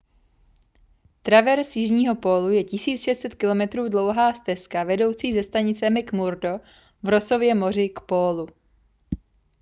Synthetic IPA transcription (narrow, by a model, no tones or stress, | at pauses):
t̪ɾavɛɾsjɪʒɲiːɦo̞po̞ːlujɛcɪsiːt͡sʃɛst̪t͡sɛt̪kɪlo̞mɛt̪ɾuːdlo̞wɦaːst̪ɛskavɛdo̞wt͡siːzɛst̪aɲɪt͡sɛmɪkmuɾdo̞ | vɾo̞so̞vjɛmo̞r̝ɪkpoːlu